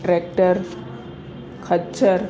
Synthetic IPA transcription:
ʈɾek̚ʈəɾ | kʰɐt͡ʃəɾ

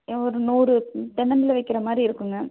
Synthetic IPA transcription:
ɔɾɯnuːɾɯt̪ɛnɐnɪlɐʋɐɪkːɪɾɐmaːd̪ɾiɪɾɯkːɯŋɡɐ

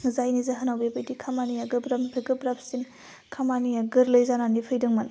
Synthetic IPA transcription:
ŋzajnizaɦɐnawbebejdikʰamanijaɡɯbɾɐmpʰeɡɯbɾapʰsin | kʰamanijaɡɯɾlɐjzananipʰɯjdɯŋmɐn

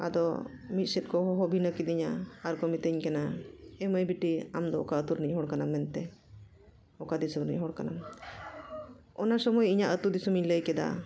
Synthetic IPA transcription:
a̰d̪ɔ̰ | mit̪̚sɛt̪̚kɔɦɔɦɔbʱinəkid̪iɲaːɾkɔmit̪əɲkɛnaɛməjbiʈiamd̪ɔɔ̰kaət̪uɾniɲɦɔɽkanamːɛnt̪ɛ | ɔkad̪isuɾniɲɦɔɽkana̰m | ɔnasəmɔjiɲaʔət̪uɾd̪isɔmiɲləjkɛd̪a̰

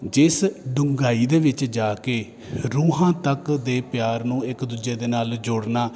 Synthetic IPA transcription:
d͡ʒɪsɖʊŋɡaːiːd̪eːʋɪt͡ʃd͡ʒaːkeː | ɾuːɦãːt̪əkd̪eːpjaːɾnũːɪkd̪uːd͡ʒeːd̪eːnaːld͡ʒʊɽnaː

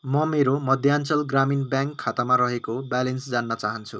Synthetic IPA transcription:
mʌmeɾomʌd̪ʱjant͡sʌlɡraminbjaŋkʰːat̪amaɾʌɦekobalensd͡zanːʌt͡saɦʌnt͡sʰṵ

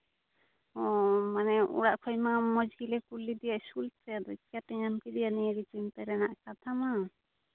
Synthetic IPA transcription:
ɔmanɛṵɽaʔkʰɔjmamɔd͡ʒɡilɛkulːid̪ijaʔsulsɛad̪ɔt͡ʃat̪ɛɲamkid̪ijaniɾit͡ʃimt̪ɛɾɛnaʔkat̪ʰama

